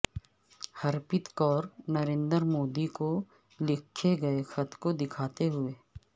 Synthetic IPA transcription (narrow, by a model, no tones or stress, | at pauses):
hɐɾpɪt̪kɔːɾnɐɾẽːnd̪ɾmoːd̪iko | lɪkʰːeɡɐexɐt̪kod̪ɪkʰaːt̪eɦʊeː